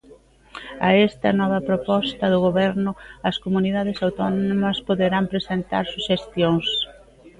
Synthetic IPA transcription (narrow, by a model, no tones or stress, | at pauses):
ɐɛst̪ɐnɔβ̞ɐpɾopɔst̪ɐðʊɣoβɛɾnʊɐskomuniðað̞ɪsawt̪ɔnonomɐspoðeɾampɾesent̪a̰ɾsuʃest̪joŋs